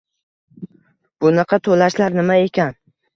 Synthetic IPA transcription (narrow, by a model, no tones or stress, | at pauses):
b̥ʊnɑqʰɑt̪ʰolaʃlaɾnɪmae̞kʲan